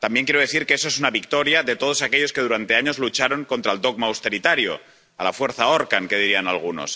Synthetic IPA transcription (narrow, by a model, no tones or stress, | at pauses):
t̪ambje̞ŋk̬jeɾo̞ðeθiɾkeesoesunaβikt̪o̞ɾjaðe̞t̪o̞ð̞o̞sake̞ʎo̞ske̞ðuɾant̪e̞aɲozlut͡ʃaɾoŋko̞nt̪ɾaeld̪o̞ɣmaːwst̪e̞ɾit̪aɾjo̞̰ | alafwe̞ɾθaoɾkaŋke̞ð̞iɾianalɣ̞uno̞̰s